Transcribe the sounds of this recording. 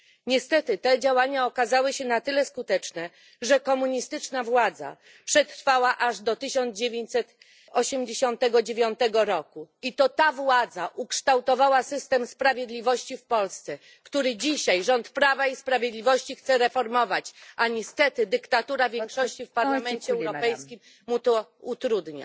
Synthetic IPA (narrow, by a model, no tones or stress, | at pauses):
ɲɛst̪ɛt̪ɘt̪ɛd͡ʑawaɲaɔkazawɘɕɛnat̪ɘlɛskut̪ɛt͡ʂnɛ | ʐɛkɔmuɲist̪ɘt͡ʂnavwad̪za̰ | pʂɛt̪ɾfawaʔaʐd̪ɔt̪ɘɕɔnd̪d͡ʑevʲjeɲt͡ɕʲsɛt̪ | ɔɕɛmd͡ʑeɕɔnt̪ɛɡɔd͡ʑevʲjɔnt̪ɛɡɔɾɔkuit̪ɔt̪avwad̪zaʔukʂt̪awt̪ɔvawasɘst̪ɛmspɾavʲjed̪lʲivɔɕt͡ɕifpɔlst̪sɛ | kt̪uɾɘd͡ʑiɕajʐɔnt̪pɾavaispɾavʲjed̪lʲivɔɕt͡ɕixt̪sɛɾɛfɔɾmɔvat͡ɕaɲɛst̪ɛt̪ɘd̪ɘkt̪at̪uɾavʲjɛŋkʂɔɕt͡ɕifpaɾlamɛnt͡ɕɛɛwɾɔpɛjskʲimː | ut̪ɔut̪ɾud̪ɲa̰